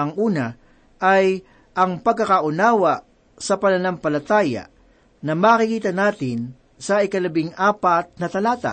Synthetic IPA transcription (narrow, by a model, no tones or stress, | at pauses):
ɐŋʔuːnɐ | ʔaj | ʔɐŋpɐɡkːɐkaʔʊnaːwɐ | sɐpɐnɐnampɐlɐt̪aːja̰ | nɐmaːkɪkiːt̪ɐnaːt̪ɪn | sɐʔɪkɐlɐbɪŋʔaːpɐt̪̚nɐt̪ɐlaːt̪a̰